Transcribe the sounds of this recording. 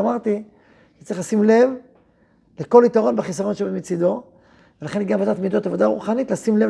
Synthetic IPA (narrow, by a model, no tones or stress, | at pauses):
amaʁt̪i | ʃe̥tt͡sʁiχlasimle̞v | leko̞lit̪aʁo̞nbeχisaʁo̞nʃebemet͡sid̪o̞ | velaχenɡamvad̪at̪mid̪ot̪avo̞d̪aʁṵχanit̪lasimle̞v